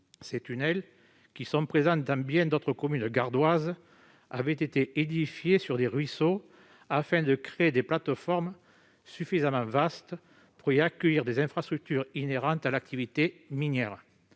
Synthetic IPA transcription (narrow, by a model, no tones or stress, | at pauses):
set̪ynɛl | kʲisɔ̃pχezɑ̃d̪ɑ̃bjɛ̃d̪ot̪χəkɔmynɡaʁd̪waz | avɛt̪et̪eʔed̪ifjesyʁd̪eʁɥiso | afɛ̃d̪əkχeed̪eplat̪fɔʁm | syfizamɑ̃vast̪ə | puʁiakəjiʁd̪ezɛ̃fχast̪χyk̚t̪yʁineʁɑ̃t̪alak̚t̪ivit̪eminjɛʁ